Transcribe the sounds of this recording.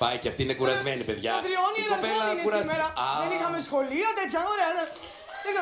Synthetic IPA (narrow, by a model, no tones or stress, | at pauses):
pɐjceɐft̪iinekuɾɐzmenipe̞ðʝɐɐt̪ɾionieɾɐpelɐneusɾɐsmeɾɐðenixɐme̞sxo̞liɐt̪et̪çɐoɾeɐðe | eisɐ